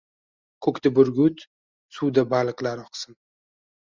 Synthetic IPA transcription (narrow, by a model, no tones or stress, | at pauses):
kʰɵkʲt̪abʊɾɡʲʊt̪ | suwd̪abalˠɨqlaɾɒqʰsɨn